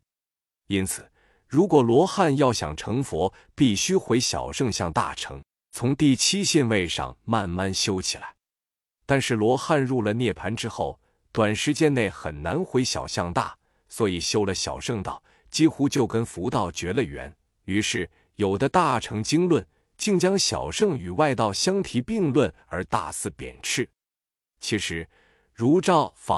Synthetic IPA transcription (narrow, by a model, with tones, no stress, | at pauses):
i˥nt͡sʰɹ̩˨˩ | ɻu˧˥kwɔ˨˩lwɔ˧˥xa˥˧njɑ˥˩ʊɕjɑ̰˨˩ŋʈ͡ʂʰɤ˧˥ŋfwɔ˧˥ | pi˥˩ɕy˥xwe˧˥ɪɕjɑ̰˨˩ʊʂɤ˥˧ŋɕjɑ˥˧ŋt̪a̰˥˩ʈ͡ʂʰɤ̰˧˥ŋ | t͡sʰʊ˧˥ŋt̪i˥˩t͡ɕʰi˥ɕi˥˧nwe˥˧ɪʂɑ̰˧˩ŋma˥˧nma˥˩nɕjo˥ʊt͡ɕʰi̥˨˩la˧˥ɪ | t̪a˥˧nʂɻ̩˥˩lwɔ˧˥xa˥˧nɻu˥˩lə˩njɛ˥˩pʰa˧˥nʈ͡ʂɻ̩˥xo˥˩ʊ | t̪wa˨˩nʂɻ̩˧˥t͡ɕjɛ˥nne˥˩ɪxə̰˨˩nna˧˥nxwe˧˥ɪɕjɑ̰˨˩ʊɕjɑ˥˧ŋt̪a̰˥˩ | swɔ˧˥i˨˩ɕjo˥ʊlə˨ɕjɑ̰˨˩ʊʂɤ˥˧ŋt̪ɑ̰˥˩ʊ | t͡ɕi˥xu˥t͡ɕjo˥˩ʊkə˥nfu˧˥t̪ɑ˥˩ʊt͡ɕɥɛ˧˥lə˧ɥɛ̰˧˥n | y˧˥ʂɻ̩˥˩ | jo˨˩ʊd̪ə˦t̪a˥˩ʈ͡ʂʰɤ˧˥ŋt͡ɕi˥ŋlwə˥˩n | t͡ɕi˥˩ŋt͡ɕjɑ˥ŋɕjɑ̰˨˩ʊʂɤ˥˧˩ŋy˨˩wa˥˧ɪt̪ɑ˥˩ʊɕjɑ˥ŋt̪ʰi˧˥pi˥˧ŋlwə˥˩n | ə˞˧˥t̪a̰˥˧sɹ̩˥˩pjɛ̰˨˩nʈ͡ʂʰɻ̩˥˩ | t͡ɕʰi˧˥ʂɻ̩˧˥ | ɻu˧˥ʈ͡ʂɑ˥˩ʊfɑ̰˧